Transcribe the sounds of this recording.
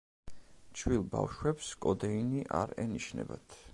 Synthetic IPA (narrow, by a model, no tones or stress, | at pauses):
t͡ʃʰwilˠba̰wʃwɛpskʼɔd̪ɛiniʔaɾɛniʃnɛ̰bat̪ʰ